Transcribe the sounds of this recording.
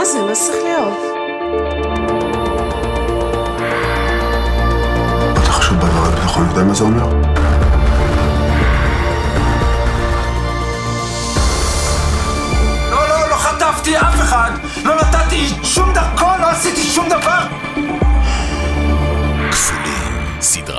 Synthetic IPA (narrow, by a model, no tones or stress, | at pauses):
azɛlosiχleov | at̪aχo̥ʃuvbavaʁebit̪aχoljod̪emazeomeʁ | lololoχat̪avt̪iafeχad̪ | lonat̪at̪iʃumd̪aʁkoloasit̪iʃumd̪avaʁ | ksulḭm | sid